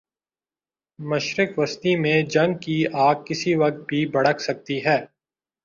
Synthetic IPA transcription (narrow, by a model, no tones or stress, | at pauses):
mɐʃɾɪkʋɐst̪imẽd͡ʒɐ̃ŋɡ̚kiaːɡ̚kːɪsiʋɐk̚t̪̚bʱibɐɽəkʰsɐk̚t̪iɦɛː